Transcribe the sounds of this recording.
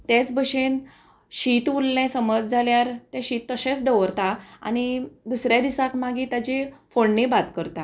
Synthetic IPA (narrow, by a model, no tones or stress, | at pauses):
t̪et͡sbəɕen | ɕit̪ʋulːɛ̃səməd͡zd͡zʱaljaɾt̪ɛ̃ɕit̪ːəɕẽt͡sd̪əʋəɾt̪aa̰nid̪usɾjad̪isãkmaɡiːt̪at͡ɕefoɳnebat̪kəɾt̪a